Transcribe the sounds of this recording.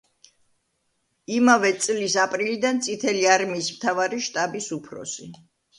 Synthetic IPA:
imavɛt̪sʼlisapʼɾilid̪ant̪sʼit̪ʰɛliaɾmiːsmt̪ʰavaɾiʃt̪ʼabisupʰɾɔ̰si

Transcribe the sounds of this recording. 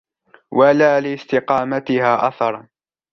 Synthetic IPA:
walaːlɪst̪ɪqɑːmat̪ɪhaːʔaθɑɾˤ

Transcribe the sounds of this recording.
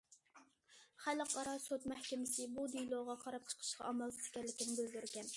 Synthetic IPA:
χælqʰɑɾɑsot̪mæhkʲɪmɪsɪbud̪ijlˠoʁɑqʰɑɾɑp̚t͡ʃʰə̥qʰə̥ʃqɑ̰ʔɑmɑlˠt̪t̪kʲɛlɪkʲinɪbøld̪yɾɡʲɛn

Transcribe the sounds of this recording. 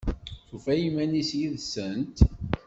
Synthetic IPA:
θufæjimænisjiðsənt̪

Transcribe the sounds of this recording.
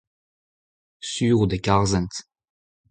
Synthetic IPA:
syːʁud̪ekaʁzɛnt̪

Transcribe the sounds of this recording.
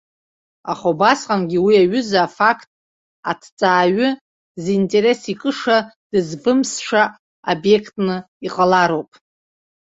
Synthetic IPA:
aχobasqʼanɡʲiwiaɥʏzaːfakʰtʼ | a̰tʰt͡sʼaːɥʏ | zintʼe̞ɾe̞sikʼɨʂad̥ɨzbɨmsʃʷa | abje̞kʰtʼnɨ | iqʼalaɾo̞wpʼ

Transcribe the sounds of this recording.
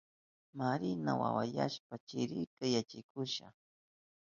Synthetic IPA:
maɾɪna̰wa̰wajaʃpat͡ʃɪɾɪkajat͡ʃɪkʊʃa̰

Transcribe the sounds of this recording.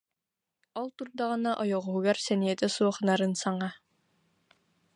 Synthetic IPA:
ɔlˠt̪uɾd̪aʁɯnaʔɔjɔʁuɦuɡaɾsɛnijɛt̪ɛsuɔχɯnaɾɯnsaŋa

